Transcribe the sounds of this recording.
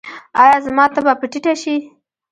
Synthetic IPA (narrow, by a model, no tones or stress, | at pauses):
ɑjɑzmɑt̪abapəʈiʈaʃi